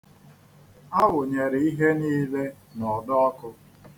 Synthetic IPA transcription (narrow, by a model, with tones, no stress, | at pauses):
a˦wʊ˨ɲe˨ɾɪ˨i˦ɦe˦niː˦le˦ | nɔ˨dɔ˦ɔ˦kʊ˦